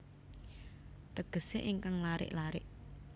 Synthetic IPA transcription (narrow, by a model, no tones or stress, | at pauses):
t̪əɡ̥ə̤sḛʔiŋkaŋlaɾɪ̰ʔlaɾɪ̰ʔ